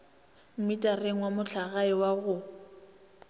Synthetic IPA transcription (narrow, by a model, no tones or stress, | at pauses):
m̩mɪtʼareŋ̩wamʊɬʰaɣaɪwaɣʊ